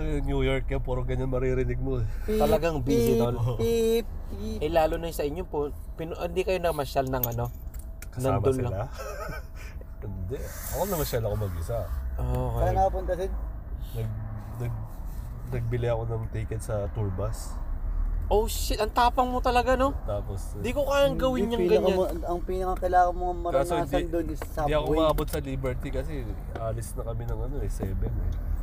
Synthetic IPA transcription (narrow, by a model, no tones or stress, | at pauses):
jnɐŋnjuːjoɹkːɐpɛɾoɡɐɲanmɐɾiɾɪnɪɡ̚moɛt̪ɐlɐɡaŋbisɪt̪ol | ʔɛlaːlʊnɐsɐʔɪɲːopo | pɪnʔɪnd̪ikɐjo̞nɐɡmɐʃalnɐŋɐno̞ | kɐnɐaːmɐʊsɪla | ɪnd̪ɛ | ʔɐkonɐmɐʃalɐkomɐɡɪsɐʔʔokɐanapʊnt̪ɐt̪ɪd̪ | nɐɡ̚nɐɡ̚ | nɐɡ̚bɪlɪjɐko̞nɐŋt̪iːkɛt̪̚sɐt̪uɹbɐs | ʔoʃʔɐŋt̪aːpɐŋmot̪ɐlɐɡano̞t̪aːpos | d̪ikokaːjɐŋɡɐwɪɲɲɐŋɡɐɲaɐŋpiːnɐkɐkɐlaːŋɐnmoŋɐmɐɾt̪aːsohɪnd̪ɐnd̪onɪssɐd̪iʔɐkomɐʔaːbo̞t̪̚sɐliːbɛɹt̪ikɐsɛ | ʔaːlɪsnɐkɐmɪnɐŋɐno̞ɛsɛːbɛnɛ̰